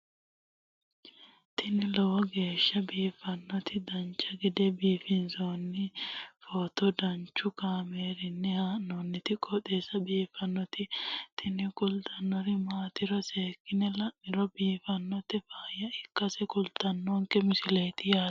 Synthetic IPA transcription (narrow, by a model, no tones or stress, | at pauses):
t̪ʰɪnɪlɔwɔɡe̞ːʃːɐbiːfɐnːɔt̪ɪd̪ɐnt͡ʃːɐɡɪd̪ɛbiːfɪnzoːnːɪfɔːt̪ɔd̪ɐnt͡ʃːʊkaːmeːɾɪnːɪhaːnːɔnːɪt̪ɪkʼɔt̪eːsɐbiːfɐnːɔt̪ɪt̪ʰɪnɪkʼʊlt̪ʼɐnːɔɾɪmaːt̪ɪɾɔse̞ːkːɪnɛlɐʔːɪɾɔbiːfɐnːɔt̪ɪfaːjɐɪkːɐsɛkʼʊlt̪ɐnːɔŋkɛmɪsɪleːt̪ɪjaː